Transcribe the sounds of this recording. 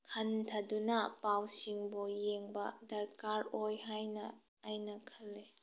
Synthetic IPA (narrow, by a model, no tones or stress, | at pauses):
kʰɐntʰɐdunɐpawsiŋbujeŋbɐdɐɾkaɾojɦajnɐ̰ː | jnɐkʰɐlːe